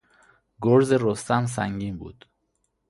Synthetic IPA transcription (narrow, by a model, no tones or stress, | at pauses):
ɡoɾzeɾost̪æms̬æŋɟiːnbṵːd̪̥